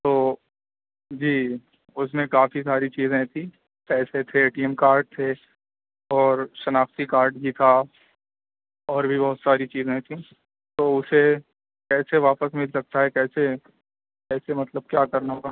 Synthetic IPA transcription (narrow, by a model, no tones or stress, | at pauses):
t̪oː | d͡ʒiː | ʊsmẽkaːfisaːɾit͡ʃiːzẽɦt̪ʰi | kɛːset̪ʰeeːʈiːɛmkaːɾɖ̚t̪ʰe | ɔːɾʃɐnaːft̪ikaːɾɖbʱit̪ʰa | ɔːɾbʱibɔɦʊt̪saːɾit͡ʃiːzẽɦẽt̪ʰĩː | t̪oːʊse | kɛːseʋaːpəsmɪlsɐk̚t̪aɦɛkɛːse | ɛːsemɐt̪ləb̚kjaːkɐɾnaɦoːɡa